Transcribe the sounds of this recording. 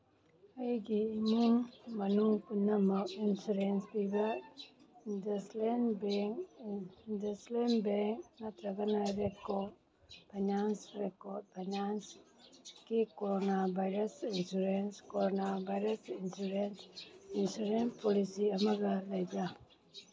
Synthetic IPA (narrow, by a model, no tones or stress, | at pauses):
ajɡiːɲiŋmɐnuŋpunːamainsuɾensbiba | ndɐslenbɛŋ | dəslenbɛŋknat̪ɾaɡanaɾekɔd̚ | bʱaɲansɾekɔt̚bʱaɲans | kikoɾonabʱajɾasinsuɾenskoɾonabajɾasinsuɾensinsuɾenpɔlisiɐmaɡalajd͡ʒa